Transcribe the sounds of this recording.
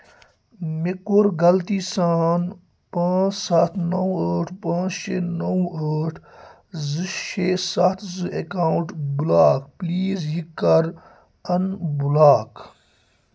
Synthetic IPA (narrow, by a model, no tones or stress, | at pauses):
mikuɾɡɐlt̪iːsaːn | pãːsat̪ʰnɐwəːʈʰpãːt͡ʃʃenɐwəʈʰ | zɨʃesat̪ʰzɨekaːuɳʈbulaːkpliːzjikːɐɾ | ɐnbulaːk